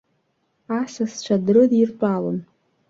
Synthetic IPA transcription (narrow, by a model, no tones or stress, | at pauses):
asast͡ʃʷʰadrɨdirt͡pʷʼalo̰n